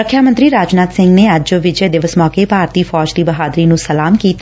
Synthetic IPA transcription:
ɾəkʰːjaːmə̃nt̪ɾiːɾaːd͡ʒnaːt̪sɪ̃ŋɡneːəd͡ʒd͡ʒoʋɪd͡ʒeːd̪ɪʋəsmɔːkeːpaːɾt̪iːfʰɔːd͡ʒd̪iːbəɦaːd̪ɾiːnũːsəlaːmkiːt̪ː

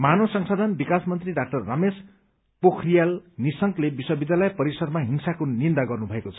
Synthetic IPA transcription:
manosʌŋsad̪ʱʌnbikasmʌnt̪riɖak̚ʈʌrːames | pokʰrijalnisʌŋklebiswʌbid̪alajpʌɾisʌrmaɦinsakonind̪aɡʌrnubʱʌekot͡sʰʌ̥

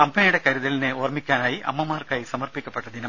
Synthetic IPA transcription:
ɐmbenijuɽe̞kɐɾuðɐline̞oːrmikʲːaːnaːjiʔɐ̰mːɐmaːrkaːjisɐmɐrpikʲːɐpːeʈːɐd̪inɐ

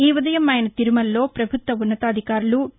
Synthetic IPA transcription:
iːʋud̪ɐjɐmːaːjɐnɐt̪iɾumɐlːo̞ːpɾɐbʱut̪ʋɐunːɐt̪aːd̪ʱikaːɾulu

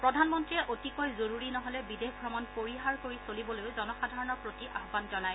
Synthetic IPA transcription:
pɹɔdʱanmɔntɹiɛʔotikojzoɹuɹinɔɦɔlɛbidexɡʱɹɔmɔnpoɹiɦaɹkoɹisolibɔlojʊzɔnɔxadʱaɹɔnɔɹpɹotiʔaɦbanzɔnaj

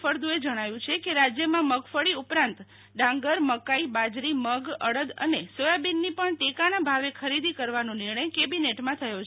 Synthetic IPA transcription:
əɾd̪ũed͡ʒəɽ̃aʋjũt͡ʃʰekeɾad͡ʒjəmãməɡfəɽiupɾãnt̪ | ɖãŋɡəɾməkaibad͡ʒɾiməɡə̰ɽəd̪ə̰nesojabinːipəɳʈekanabʱaʋekʰəɾid̪ʱikəɾʋanõniɾɳəjkebineʈmãt̪ʰəjot͡ʃʰ

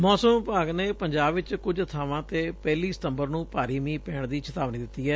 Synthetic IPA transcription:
mɔːsəmpaːɡneːpəɲd͡ʒaːbʋɪt͡ʃkʊd͡ʒət̪ʰaːʋãːt̪eːpɛːliːsɪ̥t̪əmbəɾnũːpaːɾiːmĩːpɛːɳd̪iːt͡ʃʰət̪aːʋnĩːd̪ɪt̪ːiːɦɛː

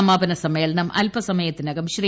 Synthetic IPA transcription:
ɐmaːbɐnɐsɐmeːɭnɐmʔɐ̰lpɐsɐmɐjɐt̪ːinɐɡɐmɕri

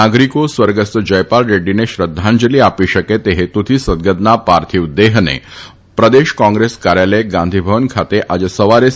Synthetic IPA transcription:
aɡɾikosʋəɾɡəst̪əd͡ʑəjpalɾeɖineɕɾəd̪ʱːãnd͡ʑəliapiɕəket̪eɦet̪ut̪ʰisəd̪̚ɡəd̪napaɾt̪ʰiʋd̪eɦnḛ | pɾəd̪eʃkɔ̃ŋɡɾeskaɾjaləjeɡãnd̪ʱibʱəʋənkʰat̪eʔad͡ʑesəʋaɾe

